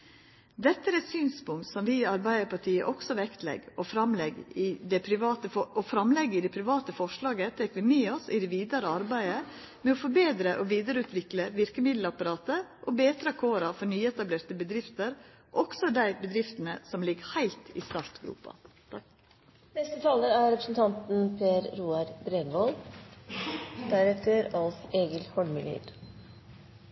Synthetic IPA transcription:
d̪ɛt̪ːəɾɛt̪syːnspʊŋt̪sɔmʋɪːɑɾbæɪəɾpɑʈʰiːə̰ʔɔksɔʋɛkt̪lɛ̰ɡɔfɾɑmlɛɡɪd̪ɛpʰɾɪʋɑːt̪əɔɔfɾɑmlɛɡːɪd̪ɛpʰɾɪʋɑːt̪əfɔʂɭɑːɡət̪ʰɛkʋɪmeːɔsɪd̪ɛʋiːd̪ɑɾəɑɾbæɪə | mɛɔfɔɾbeːd̪ɾəʔɔʋiːd̪əɾəʉːt̪ʋɪkləʋɪɾkəmɪd̪l̩ɑpɑɾɑːt̪əʔoːbeːt̪ɾɑkʰoːɾɑfɔɾnyːɛt̪ɑbleːɾt̪əbəd̪ɾɪft̪əɾ | ʔɔksɔd̪æɪbəd̪ɾɪft̪ənəsɔmlɪɡhæɪlt̪ɪ̰st̪ɑɾt̪ɡɾṵːpɑ̰ | nɛst̪ət̪ʰɑːləɾæɾɾɛpɾəsn̩t̪ʰɑnt̪n̩pʰeːɾɾuːɑɾd̪ɾenʋɔl | d̪̥æɾɛkt̪ʰəɾɑlseːɡəlhɔɳmɪlḭd̪

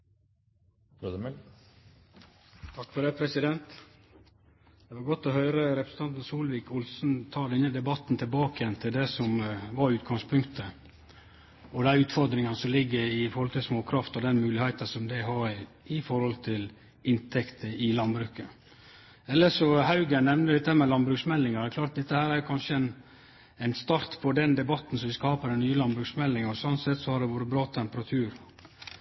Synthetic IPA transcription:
ɾod̪əmɛ | t̪ʰɑkːfɔd̪ɛːpʰɾɛsɪd̪ɛnt̪ | d̪̥ɛʋɑɾɡɔt̪ːɔɦœʏɾəɾɛpɾəsn̩t̪ɑnt̪n̩suːlʋɪːkʊlsn̩t̪ʰɑːd̪ɛnːəd̪ɛbɑt̪ːn̩t̪ʰɪlbɑːkəjɛnt̪ʰɪld̪ɛsɔmʋɑɾʉːt̪ɡɑŋspʰʉŋkt̪ʰə | ɔd̪æʉːt̪fɔɾd̪ɾɪŋɑnəsɔmlɪɡːəɾɪfɔɾhɔlt̪ʰɪlsmoːkʰɾɑft̪ɔd̪ɛnmʉːlɪhæɪt̪ɑsɔmd̪ɪɦɑɾ | ɪfɔɾhɔlt̪ʰɪl | ɪnt̪ʰɛkt̪ʰəɪlɑnbɾʉːkə | ɛlːəʂɔhɑʉɡənɛʋnəd̪ɪt̪ːəhæmɛlɑnbɾʉːksmɛlːɪŋɑɾd̪ɛkʰlɑːʈt̪̚d̪ɛt̪ːəhæːɾæɾjʊkʰɑnʂəæɪn | æɪnst̪ɑɾt̪pʰɔd̪ɛnd̪ɛbɑt̪ːn̩sɔʋɪskɑːpəɾɛnːyːəlɑnbɾʉːksmɛlːɪŋɔsɔnt̪sɛt̪ːsɔhɑɖ̪ɛʋuːɾəbɾɑːt̪ʰɛmpəɾɑt̪ʰʉːɾ

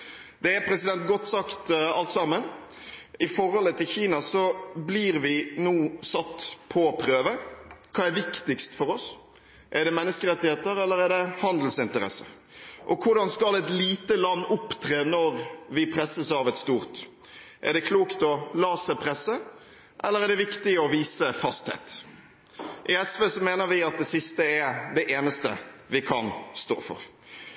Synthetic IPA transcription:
d̪̥ɛæɾpʰɾɛsɪd̪ɛnt̪̚ɡɔt̪ːsɑkt̪ɑlt̪sɑmːən | ɪfɔɾhɔlət̪ʰɪlçiːnɑsɔbliɾʋɪnuːsɑt̪ːpʰɔpʰɾøːʋəkʰɑːæɾʋɪkt̪ɪkst̪fɔɾɔs | ʔɛɖɛmɛnːəskəɾɛt̪ːɪheːt̪əɾɛlːəɾæɖɛhɑnd̪l̩sɪnt̪əɾɛ̰sə̰ | ʔɔkʰʊɖɑnskɑlɛt̪liːt̪əlɑnːʊpt̪ʰɾeːnɔɾʋɪpʰɾɛsːəsɑʋɛt̪st̪uːɾt̪ | ʔɛ̰ɖ̪ɛkʰluːkt̪ɔlɑːsɛpʰɾɛsːə | ʔɛlːəɾɛɖɛʋɪkt̪ɪɔʋiːsəfɑst̪hḛːt̪ | ʔɪɛsʋeːsɔmeːnəɾʋɪɑt̪̚d̪ɛsɪst̪əɛd̪ɛʔeːnəst̪ə̰ʋɪkʰɑ̰nst̪o̰ːfɔ̰ɾ

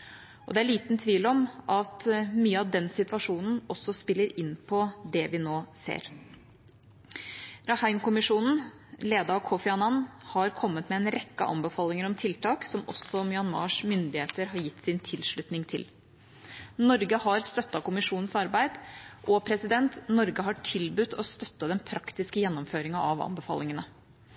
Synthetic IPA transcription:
ʔɔd̪ɛæɭiːt̪nt̪ʰʋiːlɔmʔɑt̪myːəɑʋd̪ɛnsɪt̪ʋɑʂuːnn̩ɔsːɔspɪlːəɾɪnpʰɔd̪ɛʋɪnoːsḛːɾ | ɾɑhæɪnkʊmɪʂuːnn̩ | leːd̪ɑɑkʰɔfɛɑnɑnhɑɾkʰɔmːət̪mɛɛnɾɛkːɑ̰ʔɑ̰mbəfɑːlɪŋəɾɔmt̪ʰɪlt̪ʰɑːksɔmɔ̰sɔmjʏɑnmɑ̰ːʂmʏnd̪ɪheːt̪əɾɦɑɾjɪt̪ːsɪnt̪ʰɪlʂɭʉt̪nɪŋt̪ʰɪl | nɔɾɡəhɑɾst̪œt̪ːɑkʊmɪʂuːnn̩sɑɾbæɪd̪ʔɔpʰɾɛsɪd̪ɛnt̪nɔɾɡəɦɑʈʰɪlbʉt̪ːɔst̪œt̪ːəd̪ɛnpʰɾʔɑkt̪ɪskəjɛnːɔmføːɾɪŋɑɑʋɑ̰mbəfɑ̰ːlɪŋənə

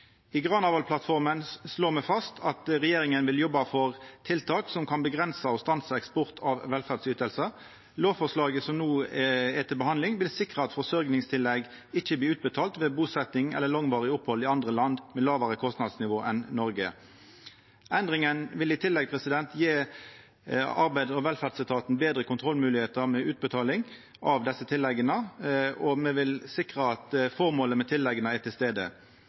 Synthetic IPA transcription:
iːɡʁɑːnɑːʋɑlpʰlɑt̪fɔʁmənsloːmɛfɑst̪ʰɑt̪ʁɛjeːɾɪŋənʋɪljɔbːɑfɔʁt̪ʰɪlt̪ʰɑːksɔmkʰɑnbəɡʁɛnsəɔst̪ɑnsəɛkspɔʁt̪ʰɑʋʋɛlfæʁd̪syːt̪əlsə | loːʋfɔʁʂlɑːɡəsɔmnuːɛt̪ʰɪlbəhɑnd̪lɪŋʋɪlsɪkʁəɑt̪fɔsœɾɡnɪŋst̪ʰɪlːɛɡ | ɪçəbliːʉːt̪̚bət̪ʰɑːlt̪ʋeːbuːsɛt̪nɪŋɛ̰lːəlɑŋʋɑːʁɪʊphɔlɪɑnd̪ʁəlɑnd̪mɛlɑːʋəʁəkʰɔst̪nɑd̪snɪʋoːʔɛnnɔɾɡə̰ | ʔɛnd̪ʁɪŋənʋɪlɪt̪ʰɪlːɛɡ̚pʰʁɛsɪd̪ɛnt̪jeː | ɑʁbæɪd̪ɔʋɛlfæd̪sɪt̪ʰɑːt̪n̩beːd̪ɾʁəkʊnt̪ʁɔlːmʉːlɪheːt̪əʁmɛʔʉːt̪̚bət̪ʰɑːlɪŋ | ʔɑʋd̪ɛsːət̪ʰɪlːɛɡənəɔmɛʋɪlsɪkʁəɑt̪fɔʁmoːləmɛt̪ʰɪlːɛɡənəɛt̪ʰɪlst̪eːd̪ə̰

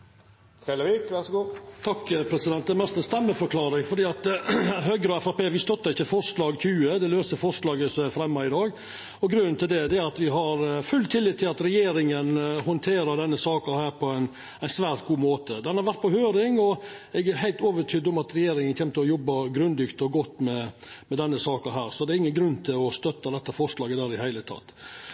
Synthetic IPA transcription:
ɛləɾiːkʋæsɡuːt̪ʰɑkːəpʰɾɛsɪd̪ɛnt̪d̪ɛmɛst̪ɛnst̪ɛmːəfɔɾkʰlɑːɾɪŋfɔɾɖiːɑt̪ɦøːɡɾəɔɛfɑpeːʋɪst̪ɔt̪ːɑɾɪçːəfɔɾʂlɑːɡçʉːəd̪ɛløːsəfɔɾʂlɑːɡəsæfɾɛmːɑɪd̪ɑːɡ | ɔɡɾʉnnt̪ʰɪld̪ɛd̪ɛæɾɑt̪ʋɪɦɑɾfʉlt̪ʰɪlːɪt̪ʰːɪlɑt̪ɾɛjeːɾɪŋənhɔnt̪ʰeːɾəd̪ɛnːəsɑːkəɾhæːɾpʰɔæɪn | æɪnsʋæːɾt̪̚ɡuːmoːt̪əd̪ɛnhɑɾʋæɾt̪pɔhøːɾɪŋɔɛɡæɾhæɪt̪oːʋət̪ʰyːd̪ɔmɑt̪ɾɛjeːɾɪŋənçɛmt̪əɔjɔbːɑɡɾʉnd̪ɪkt̪ɔɡɔt̪ːmɛmɛd̪ɛnːəsɑːkəɦæːɾsɔd̪ɛɾɪŋːənɡɾʉnːt̪ʰɪlɔst̪œt̪ːɑd̪ɛt̪ːəfɔɾʂlɑːɡəd̪æːɾɪhæɪlət̪ʰɑ̰t̪ː

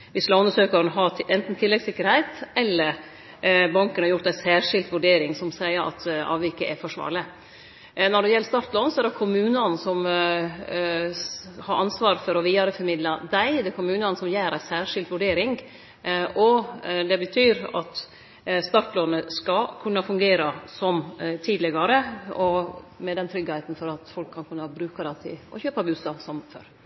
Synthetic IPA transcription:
ʋɪslɑʉnəʂøːkɑɾnɦɑɛnt̪n̩t̪ʰɪlːɛɡsɪkːəɾhæɪt̪ɛlːəɾ | bɑŋkənhɑɾjʊʈt̪̚d̪æɪsæːɾʂɪlt̪ʋʉɖeːɾɪŋsɔmsæɪəɾʔɑ̰t̪ɑ̰ːʋɪkəʔɛfɔʂʋɑ̰ːɾɭə | nɔɖɛjɛlːəst̪ɑɾt̪lɔnsɔɛɾɖɛkʰʊmʉːnəɑnsɔm | hɑɾʔɑnsʋɑːɾfɔɾɔʋiːɑɾəfɔɾmɪd̪lɑd̪æɪd̪ɛkʰʊmʉːnɑnəsɔmjæːɾæɪsæːʂɪlt̪ʋʉɖeːɾɪŋ | ʔɔd̪ɛbət̪ʰyːɾɑt̪ | st̪ɑɾʈ̪loːnəskɑkʰʉnːɑfʉŋɡeːɾɑsɔmt̪ʰiːd̪lɛɡɑɾəɔmɛd̪ɛnt̪ʰɾʏɡːhɛɪt̪n̩fɔɾɑt̪fɔlkʰːɑnkʰʉnːɑbɾʉːkɑd̪ɛt̪ʰɪ̰ɔ̰çøːpɑbʉsɑsɔmfø̰ɾ

